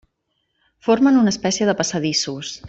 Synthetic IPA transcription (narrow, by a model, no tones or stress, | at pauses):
foɾmənunəːspɛsiəðəpəsəðisus